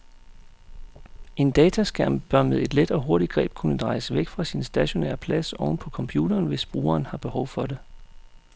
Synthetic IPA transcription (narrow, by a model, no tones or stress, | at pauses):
e̝nd̥ɛːt͡sʰæsɡ̥æɐ̰mb̥ɶɐmeðˠe̝d̥led̥ɒ̽ɦo̝ɐɾ̥id̥̚ɡ̥ʁɛ̰ːb̥̚kʰunəd̥ʁɑ̈ɪsəʋeɡ̥fʁɑ̈sinsd̥æɕo̝nḛːɐpʰlæsɒʊnəpʰɒ̽kʰɒ̽mpʰjṵːdɐːnʋe̝sb̥ʁṵːɐːnhɑ̈b̥e̝hɒʊ̰fɒ̽de̝